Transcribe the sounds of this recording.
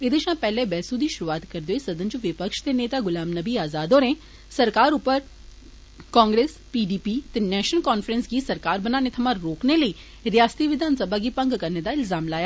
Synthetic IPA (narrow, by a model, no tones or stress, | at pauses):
ed̪eʃãːpɛːlebɛːsud̪iːʃʊɾuaːt̪kəɾd̪oeːsɐd̪ənd͡ʒũʋɪpəkʃt̪eneːt̪aːɡʊlaːmnəbiːaːzaːd̪oːɾẽː | səɾkaːɾʊpːəɾ | kɔ̃ːŋɡɾeːs | piːɖiːpiːt̪eːnɛːʃnəlkɔːnfɾənsɡiːsɐɾkaːɾbənaːnet̪ʰɐmãɾɾoːkneləiː | ɾɪjaːst̪iʋɪd̪ʱaːnsəbʱaːɡiːpə̃ŋɡkəɾneːd̪aːɪlzaːmlaːjaː